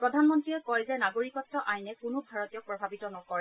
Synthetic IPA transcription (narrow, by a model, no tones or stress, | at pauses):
pɹɔdʱanmɔntɹiɛkɔjzɛnaɡoɹikɔtːɔʔajnɛkʊnʊbʱaɹɔtijɔk̚pɹɔbʱabitɔnɔkɔɹɛ